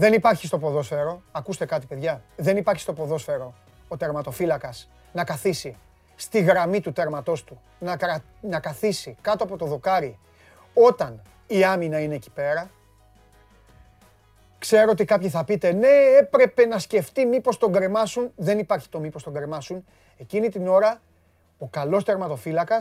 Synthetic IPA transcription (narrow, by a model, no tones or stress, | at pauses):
ðe̞nipɐɾçist̪o̞po̞ðo̞sfe̞ɾo̞ɐkust̪e̞kɐt̪ipe̞ðʝɐðe̞nipɐɾçist̪o̞po̞ðo̞sfe̞ɾo̞ | ot̪eɾmɐt̪ofilɐkɐs | nɐkɐθisi | st̪iɣɾɐmit̪ut̪eɾmɐt̪o̞st̪u | nɐ | nɐkɐθisikɐt̪oɐpo̞t̪o̞ðo̞kɐɾi | o̞t̪ɐn | iɐminɐine̞ːci̥pe̞ɾɐ | kse̞ɾoot̪ikɐpçiθɐpit̪e̞ne̞epɾe̞pe̞nɐsce̞ft̪imipo̞st̪o̞ŋɡɾemɐsunðe̞nipɐɾçi̥t̪o̞mipo̞st̪o̞ŋɡɾemɐsun | e̞cinit̪ino̞ɾɐ | o̞kɐlo̞st̪e̞ɾmɐt̪o̞filɐkɐs